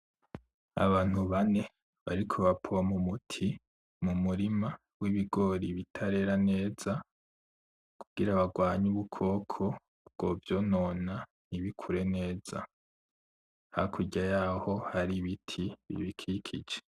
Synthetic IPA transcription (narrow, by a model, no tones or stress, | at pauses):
a̰βaːn̥huβane̞ | βa̰ɾikʰoβapʰoamumutʰi | mumuɾima | wiβiɡo̞ːɾiβitʰaɾe̞ːɾane̞ːz̥a | kʰuɡ̥iɾaβaɡwaːɲuβukʰo̞ːkʰo̞ | bɡ̥ovjo̞no̞na | niβikʰuɾe̞ne̞ːz̥a̰ | ha̰kʰuɟajaːho̞haɾiβitʰiβḭβikʰikʰid͡ʒe̥